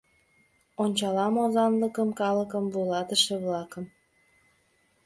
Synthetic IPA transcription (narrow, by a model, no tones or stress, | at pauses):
onʲt͡ɕɑlɑmozɑnləkəmkɑləkəmvulɑt̪əʃeβlɑkəm